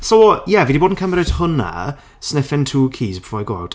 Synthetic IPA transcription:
sowɔjɛviːdiboːdn̩kʰəmɾɪthʊna̰ | snɪfɪntʰuːkʰiːzbə̥fɔːaɡoa̰wt

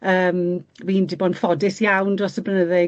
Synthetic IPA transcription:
əːmwindɪbɔnfɔdɪsjawndrɔsəbrənəðɪ

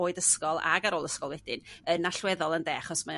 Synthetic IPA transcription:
oːɨdəskɔlˠa̰ɡaɾoːlˠəskɔlˠwɛdɪnənaɬwɛðɔlˠəndɛχɔsma

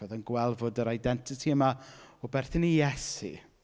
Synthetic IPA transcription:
ɔðənɡwɛlˠvʊdəɾajdɛntʰɪtʰiəmaɔbɛrθɪnijɛsḭ

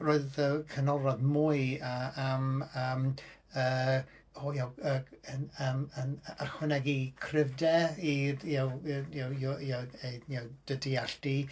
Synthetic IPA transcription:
roːɨðəkʰənɔɾɔðmuːɨaaməm | ə | oːjawəənəmənarχwɛnɛɡikʰrɪvdɛijawjawjjaejawd̥ədiaɬti

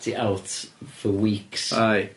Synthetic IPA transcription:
tʰiʔawtfəwiːksaj

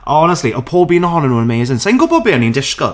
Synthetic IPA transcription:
ʔɔnəstˡliʔəwpʰoːlˠbiːnəɦɔnənuənəmeːzɪ̃nseɪ̃ŋɡʊbɔbiːənĩndɪʃkə̰lˠ

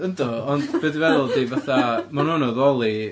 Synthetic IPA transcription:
əndɔɔndb̥edivɛðʊlˠdivaθamanunɔðɔlˠi

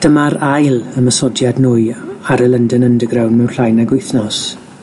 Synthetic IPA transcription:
d̥əmaɾajlˠəməsɔdjadnuːɨaɾəlˠəndənəndəɡrɾawnmɛwnɬajnaɡwʊjθnɔs

